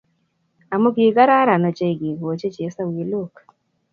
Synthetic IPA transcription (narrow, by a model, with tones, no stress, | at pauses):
a˨mo˦ɡi˨ɡa˦ɾa˦ɾa˨nɔ˨t͡ʃe˦i˨ɡi˨ɡo˨t͡ʃe˦t͡ʃe˨˦sa˦wi˨˦lo˦˨k